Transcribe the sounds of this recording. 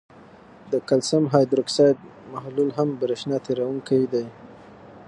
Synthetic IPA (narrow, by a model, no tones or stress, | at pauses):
d̪əkalsamɦɑjd̪ɾʊksɑjd̪̚mahlulɦambəɾɪʃnɑt̪eɾawuŋkajd̪aj